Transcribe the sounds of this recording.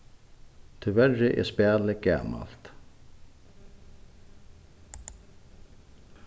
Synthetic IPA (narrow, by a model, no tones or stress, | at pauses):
t̪ʰʏvɛɹɪʔɛ̰spæːlɪɡa̰ːma̰l̥t̪